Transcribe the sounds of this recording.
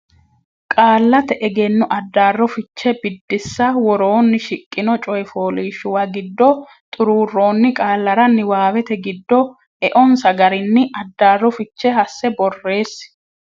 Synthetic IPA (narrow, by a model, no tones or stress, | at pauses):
kʼaːlːɐt̪ɛʔɛɡenːʊʔɐd̪ːaːrːɔfɪt͡ʃːɛbɪd̪ːɪsːɐwɔɾo̞ːnːɪʃɪkʼːɪnɔt͡ʃʼɔjfoːliːʃʊwɐɡɪd̪ːɔ | t̪ʼʊɾuːrːo̞ːnːɪkʼaːlːɐɾɐnːɪwaːwɛt̪ɛɡɪd̪ːɔ | ɛʔɔnsɐɡɐɾɪnːɪɐd̪ːaːrːɔfɪt͡ʃːɛɦɐsːɛbɔrːe̞ːs